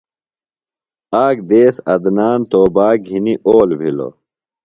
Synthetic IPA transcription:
aːk̚d̪eːsɐ̰d̪naːnt̪oːbaːɡɦiniʔoːlbʱilo̰

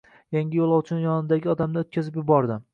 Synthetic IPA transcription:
jaŋɡʲɪjolˠɒwt͡ʃʰɪnjɒnɪd̪aɡʲɪɒd̪amnɪot̪̚kʲazɪpjʊbɒɾd̪ɪ

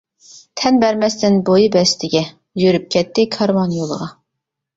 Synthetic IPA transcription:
t̪ʰɛnbɛɾmɛst̪ɪnbojibɛst̪ʰɪɡʲɛ | jyɾyp̚kʲɛt̪ːɪkʰɑɾmɑnjolˠəʁɑ

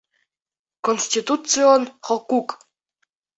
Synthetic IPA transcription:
konsʲtʲit̪ut͡sɨonχɔkuk

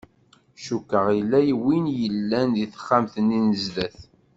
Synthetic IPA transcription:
ʃukːəʁilːæjwinjəlːænðiθə̥χːamθənːinəzðæθ

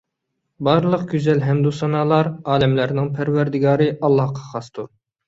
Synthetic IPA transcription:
bɑɾlˠəqɡʲyzɛlɦɛmd̪usɑnɑːlˠɑɾɑːlɛmlæɾnɪŋpʰæɾwæɾd̪ɪɡɑːɾɨʔɑlˠːɑhqʰɑ̥χɑst̪uɾ

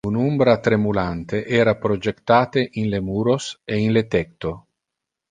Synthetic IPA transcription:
unumbɾat̪ɾemulant̪eʔɛːɾapɾod͡ʒekt̪aːt̪eʔinlemuːɾoseinlet̪ɛk̚t̪o

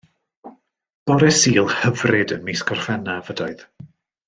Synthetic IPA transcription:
b̥ɔɾɛsiːlˠhəvrɪdənmiskɔrfɛnavədaɨð

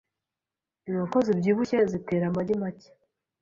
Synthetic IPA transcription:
iŋkozibɟiːβucezite̞ːɾamaɟimace̥

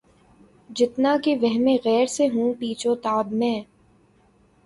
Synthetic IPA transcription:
d͡ʒɪt̪nakeʋɛɦmẽɣɛːɾseɦũːpiːt͡ʃot̪aːbmɛ̃ː

